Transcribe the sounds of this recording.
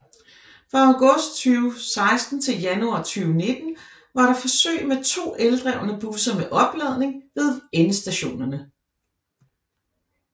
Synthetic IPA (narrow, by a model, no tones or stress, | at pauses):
fʁɑ̈æʊɡ̥ɔ̽sd̥̚t͡sʰyːʊsɑ̈ɪsd̥n̩t͡sʰe̝ljænuɑ̰̈ːt͡sʰyːʊne̝d̥n̩ | ʋɑ̈ɾɑ̈fɒ̽sø̰ɪmet͡sʰo̝̰ːeld̥ʁɛʊ̰nəb̥usɐmeʔɒ̽b̥lɛð̞̰ˠne̝ŋʋe̝ð̞ˠenəsd̥æɕo̝̰ːnɐnə